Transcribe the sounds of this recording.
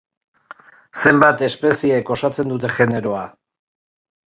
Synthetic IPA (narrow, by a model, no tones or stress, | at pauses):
se̞mbat̪e̞spe̞sieko̞sat͡se̞nd̪ut̪̬e̞ʝe̞ne̞ɾo̞a